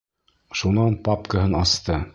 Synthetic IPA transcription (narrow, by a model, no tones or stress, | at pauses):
ʃunɑnpɑpkəɦɤnɑst̪ɤ